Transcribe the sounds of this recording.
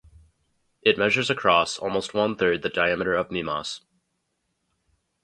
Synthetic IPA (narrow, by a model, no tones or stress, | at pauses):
ʔɨt̚mɛʒə˞zɨkʰɹ̥ɔsɔ̰lˠmoʊst̚wʌ̃nθɜ˞d̪̚ðɨdaɪæmɨɾə˞ʌvmimɑ̰s